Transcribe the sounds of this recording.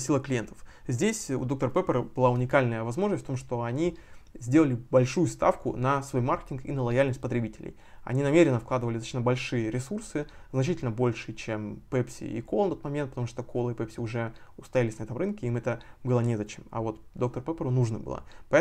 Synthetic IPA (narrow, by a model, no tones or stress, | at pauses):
sʲilˠəklʲɪjent̪ə̥fzʲdʲesʲʊ̰d̪ok̚t̪əɾəpɛpʲəɾəb̥ɨlˠaʊnʲɪkalʲnəjəvɐzmo̞ʐnəsʲtʲft̪omʂt̪o̞ɐnʲizʲdʲe̞lˠəlʲɪbɐlʲʂujʊst̪a̰fkʊ̰nɐsvojmarkʲɪ̥tʲɪnkḭnəlˠɐjalʲnəsʲtʲpət̪ɾʲɪbʲitʲɪlʲɪ̰j | ɐ̰nʲinɐmʲeɾʲɪnːəfklˠad̪ɨvəlʲɪsat͡ɕʲnəbɐlʲʂɨjəɾʲɪsursɨznɐt͡ɕitʲɪlʲnəbo̞lʲʂɨt͡ɕempɛpsʲɪ̰ḭkolˠnɐt̪ot̪mɐmʲent̪̚pət̪ɐmuʂt̪okʰolˠəɪpɛpsʲɪʊʐɛʊst̪ɐjalʲɪsʲnɐɛt̪əmrɨnkʲɪimɛt̪əbɨlˠənʲezɐt͡ɕemɐ̰vot̪d̪o̞k̚t̪əɾpɛpʲəɾʊnuʐnɨbɨ̰lˠə̰pɐɛ